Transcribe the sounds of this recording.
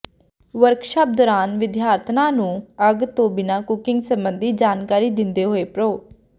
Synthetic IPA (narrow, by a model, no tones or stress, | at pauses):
ʋəɾkʃaːp̚d̪ɔːɾaːnʋɪd̪jaːɾt̪ʰnãːnũːəɡt̪õːbɪnaːkʊkɪŋɡsəmbənd̪ʱiːd͡ʒaːnkaːɾiːd̪ɪnd̪eːɦoːeːpɾoː